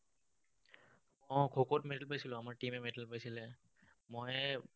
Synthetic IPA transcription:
ɔ̃kʰokɔtmedəlpajsilɔ̃amaɹʈimɛmedəlpajsilɛ | moj

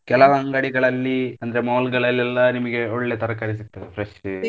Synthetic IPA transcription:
kɛlɐʋɐɐŋɡaɽiɡɐɭɐlːiɐnd̪ɐɾemoːlɡɐɭɐlːɛlːɐnimɐɡe̞oɭːe̞t̪ɐɾɐkɐɾisit̪ːɐefɾɐʂ

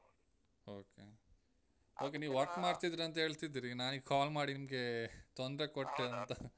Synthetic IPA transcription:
oːkḛ | o̞ːk̬eniːʋʋɐɾkmaːɽt̪id̪ɾɐnt̪ɐɦe̞ːɭt̪id̪iɾinaːniɡkaːlmaːɽinimɡe̞t̪ond̪ɾe̞koʈːɐnt̪ɐ

